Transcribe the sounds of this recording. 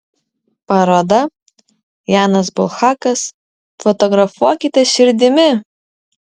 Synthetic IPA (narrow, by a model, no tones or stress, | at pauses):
pɐɾoːd̪ɐ | jɑːnɐsbʊlˠxɑːkɐs | fɔt̪ɔɡɾɐfuɔkʲɪt̪ʲɛʃʲɪɾʲd̪ʲɪmʲɪ